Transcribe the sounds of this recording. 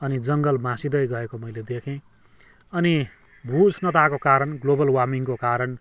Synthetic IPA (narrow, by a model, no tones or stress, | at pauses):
ʌnid͡zʌŋɡʌlmãsid̪ʌjɡʌekomʌjled̪ekʰẽ | ʌni | bʱusnʌt̪akokaɾʌnɡlobʌlwamiŋkokaɾʌn